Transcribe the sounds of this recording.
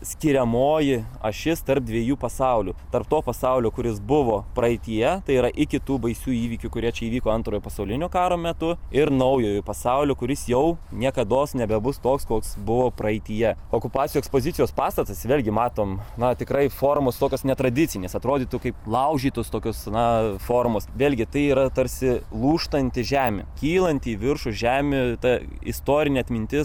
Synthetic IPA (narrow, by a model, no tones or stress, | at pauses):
sʲkʲɪɾʲɛmoːjɪɐ̰ʃʲɪst̪ɐrp̚d̪ʲʋʲiɛjuːpɐsɐʊlʲuːt̪ɐrpt̪oːpɐsɐʊlʲoːkʊɾʲɪsbʊʋoːpɾɐɪt̪ʲijɛt̪ɐɪiːɾɐʔɪkʲɪt̪uːbɐɪsʲuːiːʋʲiːkʲʊkʊɾʲiɛt͡ʃʲɛiːʋʲiːkoːɐnt̪ɾoːjopɐsɐʊlʲɪnʲoːkɑːɾoːmʲɛt̪ʊɪrnɐʊjoːjʊpɐsɑʊlʲoːkʊɾʲɪsjɛʊnʲiɛkɐd̪oːsnʲɛbʲɛbʊst̪oːkskoːksbʊʋoːprɐɪt̪ʲijɛoːkʊpɑːtt͡sʲjuɛkspoːzʲɪt̪ʲɪjoːspɑːst̪ɐt̪ɐsʋʲeːlʲɡʲɪmɑːt̪oːmnɐt̪ʲɪkɾɐɪfoːrmoːst̪oːkʲoːsnʲɛt̪ɾɐd̪ʲɪt͡sʲɪnʲeːsɐt̪ɾoːdʲiːt̪ukɐɪplˠɐʊʒʲiːt̪ost̪oːkʲosnɐfoːrmosʋʲeːlʲɡʲɪt̪ɐɪiːɾɐt̪ɐɾʲsʲɪlˠuːʃt̪ɐnʲt̪ʲɪʒʲæːmʲɪ̰kʲiːlˠɐnʲt̪ʲiːʋʲɪrʃʊʒʲæːmʲɪt̪ɐ | ɪ̰st̪oːɾʲɪnʲeɐt̪ʲmʲɪnʲt̪ʲɪs